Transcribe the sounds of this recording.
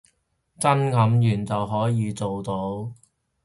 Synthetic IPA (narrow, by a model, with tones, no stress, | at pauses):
t͡sɐ˥nŋɐ˨˥mjyː˨˩nt͡sɐ˨wɦɔː˨˥jiː˨˧t͡so˨wt̪o˨˧w